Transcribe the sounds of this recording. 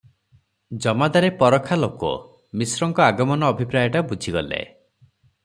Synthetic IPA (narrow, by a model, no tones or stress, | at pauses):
d͡ʒɔmad̪aɾepɔɾɔkʰːalokɔ̰ | misɾɔŋkɔaɡɔmɔnɔːbʱipɾajɔʈabud͡ʒʱiɡɔlḛ